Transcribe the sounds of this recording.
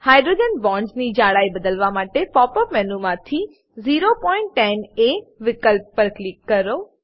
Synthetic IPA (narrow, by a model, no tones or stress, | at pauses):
haːjɖɾoːd͡ʒənbɔ̃ːɳɖznid͡ʒaːɽaːibəd̪əlʋamaːʈepɔːpəpmɛnumãt̪ʰi | ziːɾopɔːɪɳʈːɛ̃neʋɪkəlpːəɾklɪkːəɾoː